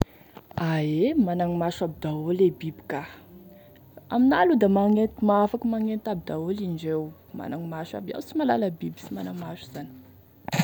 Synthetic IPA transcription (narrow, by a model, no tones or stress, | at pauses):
aemanaŋimaʃabid̪aolebibi̥ka | a̰minalud̪amaŋet̪maafakəmaŋent̪abid̪aolind͡ʒew | ma̰naŋimaʃa̰bia̰wsimalaləbibisimanamaʃu̥z̥ani̥